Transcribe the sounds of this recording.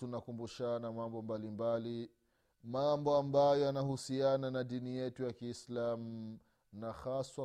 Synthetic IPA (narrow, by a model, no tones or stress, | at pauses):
tunakumbuʃanamambɔmbalimbali | mambɔambajɔjanahusiananaɗinijɛtujakiːslamu | naxaswa